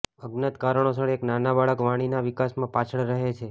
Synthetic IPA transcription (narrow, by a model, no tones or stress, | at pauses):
əɡnət̪kaɾəɳ̃osəɽeknanabaɭəkʋaɽ̃inaʋikasmãpat͡ʃʰəɭɾəɦet͡ʃʰe